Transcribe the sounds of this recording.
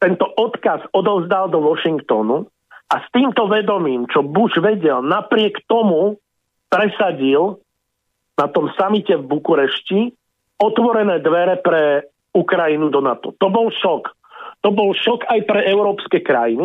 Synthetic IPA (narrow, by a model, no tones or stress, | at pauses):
t̪ɛnt̪ɔʔɔt̪kazɔd̪ɔʊzd̪ald̪ɔʋɔʃiŋkt̪ɔnu | ast̪iːmt̪ɔʋɛd̪ɔmiːmt͡ʃɔbuʒʋɛɟɛlnapɾɪɛkt̪ɔmu | pɾɛsaɟil | nat̪ɔmsamicɛvbukuɾɛʃci | ɔt̪ʋɔɾɛnɛːd̪ʋɛɾɛpɾɛ | ukɾainud̪ɔnat̪ɔ̰t̪ɔbɔlʃɔk | t̪ɔbɔlʃɔkajpɾɛʔɛʊɾɔːpskɛkɾa̰jini